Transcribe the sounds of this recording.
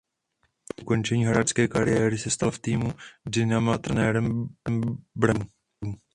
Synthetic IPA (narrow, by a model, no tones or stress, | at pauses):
ʔuko̞nt͡ʃɛɲiːɦɾat͡ʃt͡skɛːkaɾɪjɛːɾɪsɛst̪alft̪iːmudɪnamat̪ɾɛnɛːɾɛm | bɾam | um